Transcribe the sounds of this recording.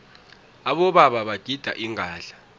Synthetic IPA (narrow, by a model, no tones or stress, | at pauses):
aɓɔɓaɓaɓaɡ̥ʱid̥ʱa̰ʔiŋʱaːɮḁ